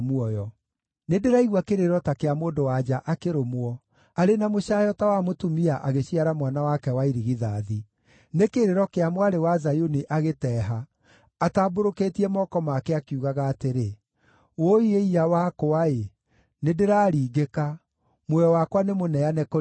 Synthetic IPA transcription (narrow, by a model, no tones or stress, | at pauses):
muɔjɔ | nedeɾaiɣwakeɾeɾɔtakeamoːndowad͡ʒaʔakeɾomwɔ | aɾenamoɕajɔtawamotumiaʔaɣeɕiaɾamwanawakɛwaiɾiɣiðaði | nekeɾeɾɔkeamwaɾewazajoniʔaɣetɛːɦaː | taːboɾoketiɛmɔkɔmakɛakiuɣaɣaːteɾe | woieiawakoae | nedeɾaːɾiːɡeka | mwɔjɔwakwanemonɛanɛko